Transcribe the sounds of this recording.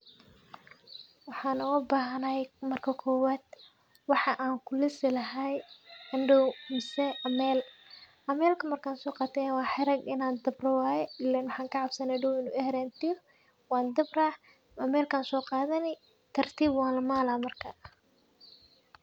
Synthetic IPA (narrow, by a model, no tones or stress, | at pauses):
wɑħɑːnʊɣɐbaːɦɐnɐjmɐrkʰɐkʰɔːwaːd̪̥ | wɑħɑʔaːŋkʰʊlɪsɪlɐɦajɪnɖɔwmɪsɛʔɐmɛːl | ʔɐmɛːlkʰɐmɐrkʰaːnsɔːqɑːt̪ːɛjnwɑːħɪɾɐɡɪnaːnd̪ɐbrɐwaːjɛɪlɛnwɑħɑːŋkʰɐʕɑbsɐnɛɖɔwɪnṵːɛhɛɾɛːnt̪ʰɪjɔ | wɑːnd̪ɐbraː | ɐmɛːlkʰaːnsɔːqɑːðɐnɛ | t̪ʰɐrt̪ʰiːbwɑːlɐmaːlaːmɐrkʰɐ